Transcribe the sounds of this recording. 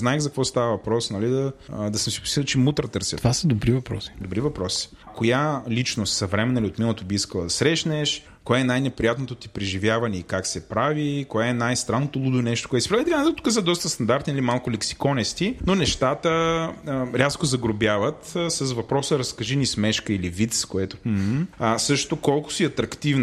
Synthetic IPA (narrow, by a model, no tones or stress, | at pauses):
znaɛxzɐkvɔst̪avəvɐpɾɔsnɐlid̪ɐd̪ɐsəmsi̥pʊ̥st̪it̪ˠt͡ʃɛmut̪ɾət̪əɾsʲət̪vasəd̪obɾivɐpɾɔ̰si̥d̪obɾivɐpɾɔsi̥ | kojalit͡ʃnost̪sɐvɾɛmɛnəlʲiot̪milˠət̪obiiskəlˠəd̪ɐsɾɛʃnɛʃ | koɛɛnajnɛpɾijat̪not̪ot̪i̥pɾɛʒivjavɐnɛikaksɛpɾavikoɛɛnajst̪ɾanːot̪olˠud̪ʊinɛʃt̪okoɛt̪sipɾavit̪ɛkanɛt̪t̪u̥kəs̬əd̪ɔst̪əst̪ɐnd̪aɾt̪nilimalˠkʊlɛksi̥kɔnɛst̪inonɛʃt̪at̪ə | ɾʲʔaskʊzɐɡɾobjavət̪sɐzvɐpɾɔsəɾɐskɐʒinismɛʃkəilivit̪skoɛt̪o̥m̩əsɤʃt̪okɔlˠkʊ̥siɐt̪ɾɐkt̪ivn